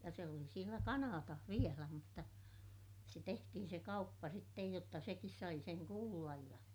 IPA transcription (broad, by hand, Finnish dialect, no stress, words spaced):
jɑ se oli sielæ kɑnɑːtɑh ʋielæ mutːɑ se tehtihin se kɑupːɑ sitːej jotːɑ sekis sɑi seŋ kuːlːɑj jɑ